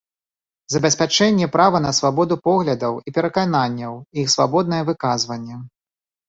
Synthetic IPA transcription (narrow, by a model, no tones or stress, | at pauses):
zɐbʲɛsʲpʲat͡ʂɛnʲːɛpɾavɐnɐsvabɔd̪upɔɣlʲɐd̪ɐwipʲɛɾɐkananʲːɐwixsvabɔd̪̚nɐjɛvɨkazvɐnʲːɛ